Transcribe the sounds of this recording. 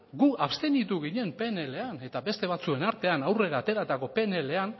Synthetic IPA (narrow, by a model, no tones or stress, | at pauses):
ɡuapst̪enit̪uɣiɲe̞mpe̞nele̞ane̞t̪abe̞st̪e̞β̞at͡sue̞naɾt̪e̞anawre̞ɾaːt̪e̞ɾat̪ako̞pe̞nele̞an